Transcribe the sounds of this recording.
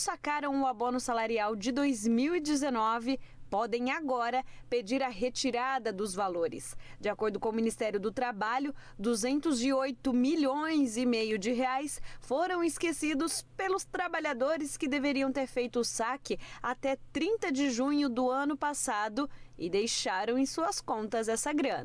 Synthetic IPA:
sakaɾɐ̃w̃ʊabõnʊsalaɾiawd͡ʒɪd̪ojzmiwid͡ʒɪzenɔvɪpɔd̪ẽj̃aɡɔɾɐped͡ʒiɾɐɦet͡ʃiɾad̪ɐd̪ʊzvaloɾɪ̰sd͡ʒɪakoɾd̪ʊkõʊminist̪ɛɾjʊd̪ʊt̪ɾabaʎʊ | d̪uzẽnt̪ʊzɪojt̪ʊmiʎõj̃zɪmejʊd͡ʒɪɦeajsfoɾɐ̃w̃ɪskesid̪ʊspelʊst̪ɾabaʎad̪oɾɪskɪd̪eveɾiɐ̃w̃t̪eɾfejt̪ʊːsakɪat̪ɛt̪ɾĩnt̪ɐd͡ʒɪʒũɲʊd̪ʊɐ̃nʊpasad̪ʊɪ̰d̪ejʃaɾɐ̃w̃ẽj̃suɐskõnt̪ɐzɛsɐɡɾɐ̃nɐ

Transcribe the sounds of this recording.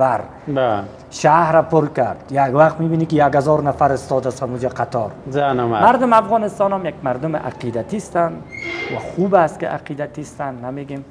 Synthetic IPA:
aɾ | b | ʃahɾapʊɾkaɾd̪̥jaɡwaqt̪mibinikɪjaɡazɔɾnafaɾɪst̪ɔd̪ast̪hamud͡ʒaqʰat̪ɔɾzanamamaɾd̪ʊmafɣɔnɪst̪ɔnamjakmaɾd̪ʊmɪʔa̰qid̪at̪ist̪anwaxubaskɪ̰ʔa̰qid̪at̪ist̪anːameɡem

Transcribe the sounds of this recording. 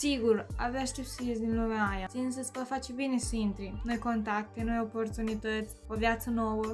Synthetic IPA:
siɡura̰veaʃt̪ep̪səjes̬ʲd̪inlumeaːjat̪sinsəsvafat͡ʃebine̞siint̪ɾino̞jko̞nt̪ak̚t̪e̞no̞jo̞po̞rt̪unit̪ət̪sʲovjat̪səno̞wə

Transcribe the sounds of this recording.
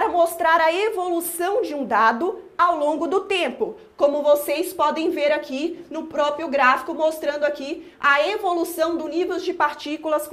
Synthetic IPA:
ɾɐmost̪ɾaɾɐevolusɐ̃w̃d͡ʒɪũd̪ad̪ʊawlõɡʊd̪ʊt̪ẽmpʊ | kõmʊvosejspɔd̪ẽj̃veɾakinʊpɾɔpɾjʊɡɾafi̥kʊmost̪ɾɐ̃nd̪ʊaki | ɐevolusɐ̃w̃d̪ʊnivewd͡ʒɪpaɾt͡ʃikulɐs

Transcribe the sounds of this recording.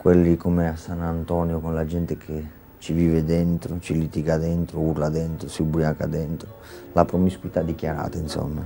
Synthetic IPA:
kwɛlːikɔmɪasːanant̪ɔnjokonlad͡ʒɛnt̪ɪkʰe | t͡ʃiviːvɪd̪ɛnt̪ɾʊt͡ʃilit̪iɡad̪ɛnt̪ɾʊurlad̪ɛnt̪ɾʊsiubuɾjaŋka̰d̪ɛnt̪ɾʊ | lapɾɔmiskwit̪ad̪ik̟jaɾa̰ːt̪ainsɔ̰mːa

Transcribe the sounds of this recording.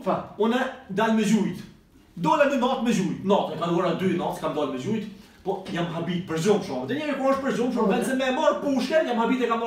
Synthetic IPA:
faunɛd̪alməzujt̪ | d̪ɔlɛmɛnɔt̪məzujt̪nɔt̪ɛkanuɔɾad̪ynɔt̪kamd̪ɔlmɛzujt̪ | pɔjamɦabit̪̚pəɾzumʃɔmɛt̪ɛɲɛmɛkuɔʃt̪̚pəɾzumʃ̬ɔvɛnsɛmɛmɔɾpuʃkɛjamhabit̪ɛkamɔ

